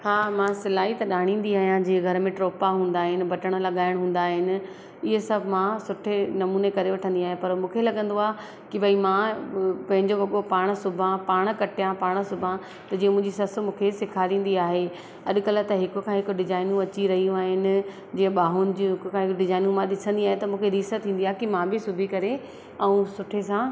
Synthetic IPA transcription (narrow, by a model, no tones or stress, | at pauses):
haːmãsɪlaːit̪ɐɗaːɽ̃ĩːnd̪iaːɦijãd͡ʑĩːɡʱɐɾmẽʈɾoːpaɦũːn̆d̪aːɦɪnɪ̆bʱɐʈəɽ̃lɐɠaːɪɽ̃ɦũːnd̪aːɦɪnɪ̆ | ɪɦesɐbʱmãsʊʈʰenɐmuːnekɐɾeʋɐʈʰə̃nd̪iaːɦẽpɐɾmũːkʰelɐɡə̃nd̪oaːɦ | kɪbɐimãpɐ̃ɦɪ̃ɲd͡ʑoʋɐɠopaːɽ̃sʊbʱãpaːɽ̃kɐʈʰijãpaːɽ̃sʊbʱã | t̪ɐd͡ʑiːə̃mʊ̃ɦɪ̃ɲd͡ʑisɐsmũːkʰesɪkʰaːɾĩːnd̪iaːɦe | ɐɗʊ̆kɐlt̪ɐɦɪkʊ̆kʰãɦɪkɖɪzaːɪnũɐt͡ɕiɾɐɦijũaːɦɪnɪ̆ | d͡ʑĩːə̃ɓaːɦʊnɪ̆d͡ʑĩɦɪkʊkʰãːɦɪkɖɪzaːɪnũmãɗɪsə̃nd̪iaːɦet̪ɐmũːkʰeɾiːsət̪ʰːĩːnd̪iaːɦekɪmãbɪsʊbʱikɐɾe | ɛũsʊʈʰesã